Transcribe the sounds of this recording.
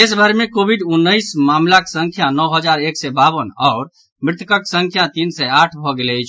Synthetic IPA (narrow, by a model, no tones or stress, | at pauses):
esbʱəɾmekobʱiɖunːəjsmamlaksəŋkʰjanɔwɦəd͡ʒaɾeksɛbabənɔːɾ | mɾɪt̪əkəksə̃ŋkʰjat̪insɛaʈʰbʱɔɡelɛəjt͡ʃʰ